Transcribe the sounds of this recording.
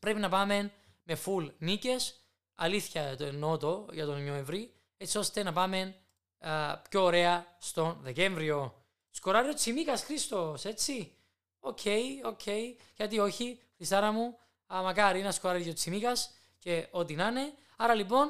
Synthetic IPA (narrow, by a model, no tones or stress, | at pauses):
pɾe̞pinɐpɐme̞n | me̞fulnice̞s | ɐ̰liθçɐt̪onːo̞t̪o̞ʝɐt̪o̞nɲoeɱvɾi | ett͡sːio̞st̪e̞nɐpɐme̞n | pçoːɾe̞ɐst̪o̞nðe̞ce̞ɱvɾio̞ | skoɾɐɾiot͡simikɐsxɾist̪o̞se̞t͡sːi | ocʰe̞jo̞cʰe̞iʝɐt̪io̞çifɾist̪ɐɾɐmu | ɐmɐkɐɾiinɐskoɾɐɾijot͡sʰimikɐs | ce̞ʔo̞t̪inɐne̞ | ɐɾɐlipo̞n